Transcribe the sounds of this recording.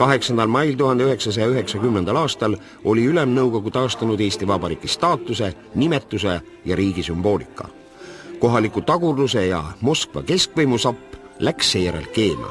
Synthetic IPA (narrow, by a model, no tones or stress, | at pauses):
kɑɦe̞ksɑnd̪ɑlmɑjlt̪uhɦɑnd̪eyɦe̞ksɑs̬ɑjɑyɦe̞ksɑkymnend̪ɑlɑːst̪ɑl | o̞lʲiylemnɤwɡ̥o̞ɡ̥ut̪ɑːst̪ɑnud̪e̞ːst̪ivɑbɑɾḭːkist̪ɑːt̪ːˑuse̞ | nimet̪ˑːus̬e̞ | jɑɾiːɡ̥isymb̥o̞ːlikːˑɑ̰ | ko̞ɦɑlikˑut̪ɑɡurd̪us̬e̞jɑ̰mo̞skvɑ̰ke̞skvɤjmusɑpːˑ | læksːe̞jæɾḛlke̞ːnɑ̰